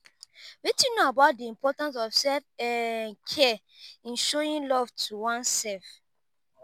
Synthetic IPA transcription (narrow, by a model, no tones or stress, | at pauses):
witĩnoabaʊt̚diĩmpʰɔtãns̬ɔvsɛlfɛnkʰɛ | ĩnʃoɹĩnlɔvtʰuwɔ̃nsɛlf